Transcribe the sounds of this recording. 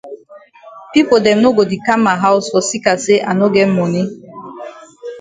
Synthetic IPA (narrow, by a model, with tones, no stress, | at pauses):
pi˦po˨dɛ˨m̩˨no˦ɡo˨di˨ka˦ma˨ɦa˦ʊ˦sɔ˨si˦ka˨se˦ʔa˨no˦ɡe˦m̩˦mo˨ni˦